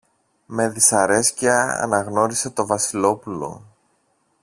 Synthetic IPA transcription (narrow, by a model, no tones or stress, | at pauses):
me̞ðisɐɾe̞sciɐɐ̰nɐɣno̞ɾise̞t̪o̞vɐsilo̞pulo̞̰